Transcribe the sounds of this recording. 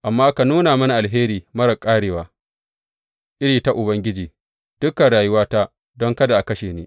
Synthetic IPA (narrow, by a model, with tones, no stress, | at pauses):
ʔa˨mːaː˦ka˨nuː˦naː˨mɐ˦na˨ʔa˨lɦeː˦ɾiː˨mɐ˦ɾɐ˨kʼːaː˦ɽeː˨waː˨ | ʔɪ˦ɽiː˨ta˦ʔʊ˨bɐ˦ŋɡʲɪ˦d͡ʒiː˨ | d̥ʊ˦kːɐ˨ɽaː˨jʊ˦waː˦ta˦ | dɔ˦ŋkɐ˦da˨ʔa˨kɐ˦ʃeː˨neː˦